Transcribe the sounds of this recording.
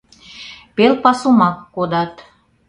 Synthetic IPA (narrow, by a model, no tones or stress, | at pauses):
pelpɑsumɑkːod̪ɑt̪